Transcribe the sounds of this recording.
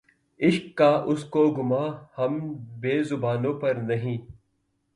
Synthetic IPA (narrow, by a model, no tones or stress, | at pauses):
ɪʃkːaːʔʊskoːɡʊmaːhɐmbeːzʊbaːnõːpɐɾnɐɦĩː